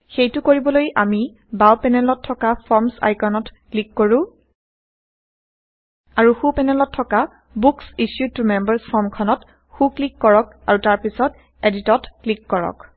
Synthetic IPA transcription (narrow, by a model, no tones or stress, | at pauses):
xejtʊkoɹibɔlojʔami | bawpɛnɛlɔtʰːɔkapʰɔɹmsa̰jkɔnɔtklikːoɹʊ̃ | aɹuxupɛnɛlɔtʰːɔka | buksisjutumɛmbɛɹsɔmkʰɔnɔt | xuklikːɔɹɔk̚ | aɹutaɹpisɔt | editɔtklikːɔɹɔ̰k